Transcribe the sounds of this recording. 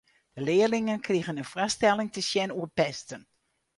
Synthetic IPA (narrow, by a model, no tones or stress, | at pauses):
d̥əlɪːəɹlɪŋənkriɣənənfrastɛlɪŋtəsjɛnuəpɛstən